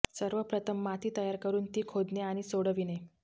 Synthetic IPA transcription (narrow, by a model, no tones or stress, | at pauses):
səɾʋəpɾət̪ʰəmːat̪ʰiːt̪əjaɾkəɾuːnt̪iːkʰod̪neaɽ̃isoɽəʋine